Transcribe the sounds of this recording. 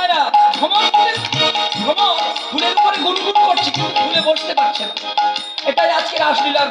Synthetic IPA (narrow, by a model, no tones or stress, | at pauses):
eɾadʱɔmaɡʱuleɾdʱɔmaɡʱuleɾpɔɾeɡuɾiɡuɾkoʈt͡ɕʰikiuɡʱuleboʃt̪epaʈːt͡ɕʰena | eʈajad͡ʑkeɾaʃd̪iloa